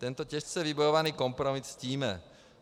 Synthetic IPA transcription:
t̪ɛnt̪ɔcɛʃt͡sɛjɛʋibɔjɔʋaniːkɔmpɾɔmissciːmɛ

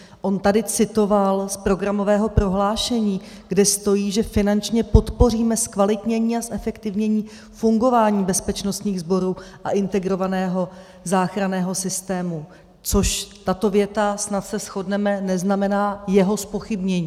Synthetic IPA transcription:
ʔo̞nt̪adɪt͡sɪt̪o̞valspɾo̞ɡɾamo̞vɛːɦo̞pɾo̞ɦlaːʃɛɲiː | ɡdɛst̪o̞jiːʒɛfɪnant͡ʃɲɛpo̞t̪po̞r̝iːmɛskvalɪt̪ɲɛɲiːasʔɛfɛkt̪ɪvɲɛɲiː | fuŋɡo̞vaːɲiːbɛspɛt͡ʃno̞st̪ɲiːɣzbo̞ɾuːʔaʔɪnt̪ɛɡɾo̞vanɛːɦo̞ | zaːxɾanɛːɦo̞sɪst̪ɛːmu | t͡so̞ʃt̪at̪o̞vjɛt̪asnat̪sɛsxo̞dnɛmɛnɛznamɛnaːjɛɦo̞spo̞xɪbɲɛɲiː

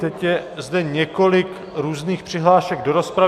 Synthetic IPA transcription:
t̪ɛcjɛzdɛɲɛko̞lɪk | ɾuːzniːxpr̥ɪɦlaːʃɛɡ̚do̞ɾospɾa

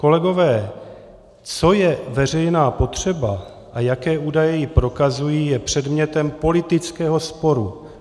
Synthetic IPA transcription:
ko̞lɛɡo̞vɛː | t͡so̞jɛvɛr̝ɛjnaːpo̞t̪r̝̥ɛba | ʔajakɛːʔuːdajɛjɪpɾo̞kazujiːjɛpr̝̥ɛdmɲɛt̪ɛmpo̞lɪt̪ɪt͡skɛːɦo̞spo̞ɾu

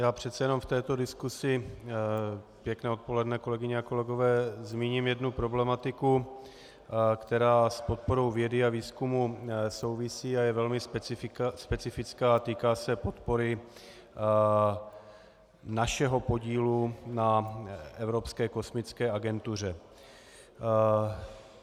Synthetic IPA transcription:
jaːpr̝̥ɛt̪t͡sɛjɛno̞mft̪ɛːt̪o̞dɪskusɪ | pjɛknɛːo̞t̪̚po̞lɛdnɛko̞lɛɡɪɲɛako̞lɛɡo̞vɛːzmiːɲimjɛdnupɾo̞blɛmat̪ɪku | kt̪ɛɾaːspo̞t̪̚po̞ɾo̞wvjɛdɪaviːskumuso̞wvɪsiːajɛvɛlmɪ | spɛt͡sɪfɪt͡skaːt̪iːkaːsɛpo̞t̪po̞ɾɪ | naʃɛɦo̞po̞ɟiːlunaʔɛvɾo̞pskɛːko̞smɪt͡skɛːaɡɛnt̪ur̝ɛ

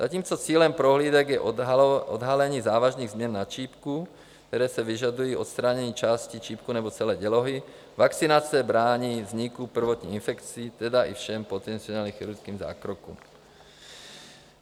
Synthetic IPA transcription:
zaciːmt͡sɔt͡siːlɛmpɾɔɦliːd̪ɛɡjɛʔɔd̪ɦalɛɲiːzaːʋaʒniːɣzmɪjɛnːat͡ʃiːpku | kt̪ɛɾɛːsɛʋiʒad̪ujiːʔɔt̪st̪ɾaɲɛɲiːt͡ʃaːscit͡ʃiːpkunɛbɔtt͡sɛlɛːɟɛlɔɦi | vakt͡sinat͡sɛbɾaːɲiːvzɲikupr̩ʋɔt̪ɲḭinfɛkt͡siːt̪ɛd̪aʔifʃɛmpɔt̪ɛnt̪t͡siɔnaːlɲiːxiɾuɾt͡skiːmza̰ːkɾɔkṵm

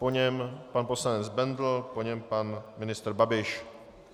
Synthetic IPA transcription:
poɲɛmpanposlaɲɛzbɛnd̪l̩poɲɛmpanmɪnɪst̪ɾbabɪʃ

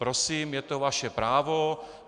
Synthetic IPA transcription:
pɾosiːmjɛt̪ovaʃɛpɾaːvo

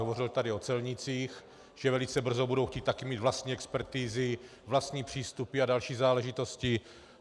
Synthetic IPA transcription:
ovorɪlt̪adɪot͡sɛlɲɪt͡siːx | ʒ̥ɛvɛlɪt͡sɛbr̩zobudowxciːt̪ːakɪmiːt̪vlast̪ɲiːɛkspɛɾt̪iːzɪ | vlast̪ɲiːpr̝̥iːst̪upɪadalʃiːzaːlɛʒɪt̪o̞scɪ

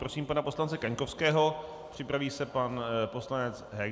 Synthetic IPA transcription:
pɾosiːmpanaposlant͡sɛkaɲkofskɛːɦo̞ | pr̝̥ɪpɾaviːsɛpanpo̞slanɛt͡sɦɛ

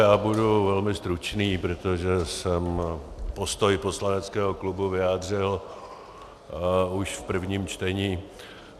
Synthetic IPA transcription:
jaːbuduvɛlmɪst̪ɾut͡ʃniːpɾot̪oʒɛsɛmpo̞st̪ojpo̞slanɛt͡skɛːɦoklubuvɪjaːdr̝ɪl | uʃfpr̩vɲiːmt͡ʃt̪ɛɲiː

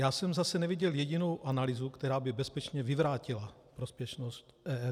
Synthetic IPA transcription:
jaːsɛmzasɛnɛvɪɟɛljɛɟɪno̞wʔanalɪzukt̪ɛɾaːbɪbɛspɛt͡ʃɲɛvɪvɾaːcɪla | pɾospjɛʃnost̪ɛːɛ

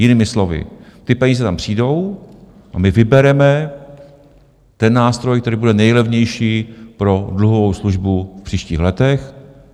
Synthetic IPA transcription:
jɪniːmɪslo̞vɪ̰t̪ɪpɛɲiːzɛt̪ampr̥iːdo̞w | ʔamɪvɪbɛɾɛmɛ | t̪ɛnːaːst̪ɾo̞jkt̪ɛɾiːbudɛnɛjlɛvɲɛjʃiːpɾo̞dluɦovo̞wsluʒbufpr̝̥iːʃciːxlɛt̪ɛx

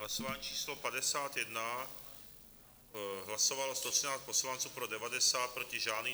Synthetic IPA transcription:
ɦlasɔʋaːɲiːt͡ʃiːslɔpad̪ɛsaːt̪jɛd̪na | ɦlasɔʋalɔst̪ɔsɛnaːsc̚pɔslant̪t͡suːpɾɔd̪ɛʋad̪ɛsaːt̪̚pɾɔciʒaːni

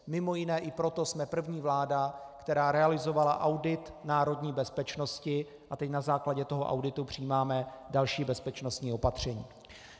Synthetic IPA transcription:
mɪmo̞jɪnɛːʔɪpɾo̞t̪o̞smɛpr̩vɲiːvlaːda | kt̪ɛɾaːɾɛalɪzo̞valaʔawdɪt̪naːɾo̞dɲiːbɛspɛt͡ʃno̞scɪ | ʔat̪ɛcnazaːklaɟɛt̪o̞ɦo̞̰ʔa̰wdɪt̪upr̝̥iːmaːmɛdalʃiːbɛspɛt͡ʃno̞st̪ɲiːo̞pat̪r̝̥ɛɲiː

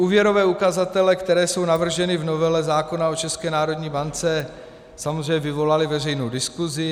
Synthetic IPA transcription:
ʔuːvjɛɾo̞vɛːukazat̪ɛlɛkt̪ɛɾɛːso̞wnavr̩ʒɛnɪvno̞vɛlɛzaːko̞nao̞t͡ʃɛskɛːnaːɾo̞dɲiːbant͡sɛ | samozr̝ɛjɲɛvɪvo̞lalɪvɛr̝ɛjnowdɪskuzɪ

